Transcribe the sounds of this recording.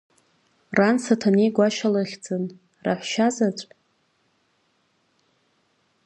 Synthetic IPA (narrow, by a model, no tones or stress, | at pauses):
ransatʰanejɡʷaʃalɨχʲd͡zɨn | ra̰ħʷʃazat͡sʷʼ